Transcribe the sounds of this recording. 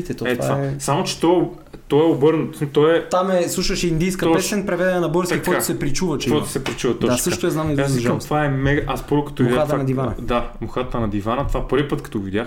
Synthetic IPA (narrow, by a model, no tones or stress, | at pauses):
it̪ɛt̪oɛt̪vaaɛsamot͡ʃɛ̥t̪ɔ | t̪ɔɛobɤɾnot̪smt̪ɔɛt̪amɛslˠuʃəʃɛind̪ijskɐpɛsɛnpɾɛvɛd̪ɛnɛnɐboɾsikvɔosɛpɾit͡ʃuvɐt͡ʃɛvɔt̪o̥sɛpɾit͡ʃuvɐt̪dɔasɤʃʃt̪ojɛznamnizzʒamt̪vaɛmɛɡʔaspoɾʊkɐ̥t̪ɔvidat̪nɐd̪ivanɐd̪amoxat̪ɐnɐd̪ivanɐt̪ovapɤɾvʲipɤət̪kɐ̥t̪ɔvid̪jax